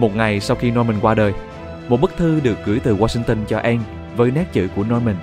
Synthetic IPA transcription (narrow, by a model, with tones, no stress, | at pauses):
mo˨˩t̚ŋa˨˩jsa˧wxi˧nɔ˧jmï˨˩ŋ̟kwaː˧ɗəː˨˩j | mo˨˩t̚ɓɨ˦˥k̚t̪ʰɨ˧ɗɨ˨˩ək̚ɣɨ˧˩əjt̪ɨ˨˩ɣwaː˧si˧ŋt̪ə˧nt͡ɕɔ˧ʔɛ˧m | vəː˨˦jnɛ˦˥t̚t͡ɕɨ̰˧˨ku˧˩ənɔ˧jmï˨˩ŋ̟